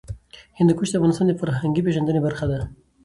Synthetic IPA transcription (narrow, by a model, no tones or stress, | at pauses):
hɪnd̪əkuʃd̪eafvɣɑnɪst̪ɑnd̪əfaɾɦaŋɡipeʒand̪ənebaɾxad̪a